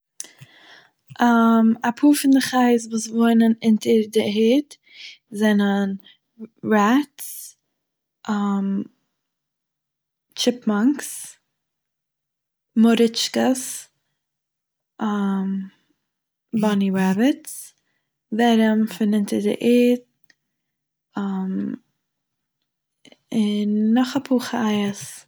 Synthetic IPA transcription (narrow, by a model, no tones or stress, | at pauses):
amapʰuːɾfɪndəχaɪsvuːsvoɪnənɪntʰəɾdɪɦɪt | zɛnən | ɾats | ʔam | t͡ʃɪpmaŋks | mʊɾɪt͡ʃkəs | ʔam | baniɹabɪts | vɛɾəmfɪnɪntədə̰ʔeːt | am | ɪnːɔχapʰuːχəajəs